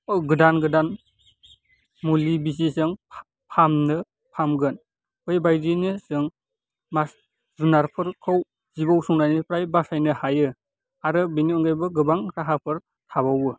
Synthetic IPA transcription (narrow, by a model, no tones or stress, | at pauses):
ɔɡɯdanɡɯdan | mulibizisɯŋ | pʰamnɯ | pʰamɡɯn | ɔjbajdinisɯŋ | mas | zunaɾpʰɯɾkʰɯw | zibawsuŋnajnipɾajbasajnɯhajɯ | aɾɯbeniɔŋɡajbɯɡɯbaŋɾaɦapʰɯɾ | tʰabawɯ